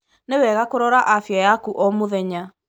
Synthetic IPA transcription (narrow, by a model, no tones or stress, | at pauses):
newɛːɣakoɾɔɾaʔafjajakuʔɔmoðɛɲa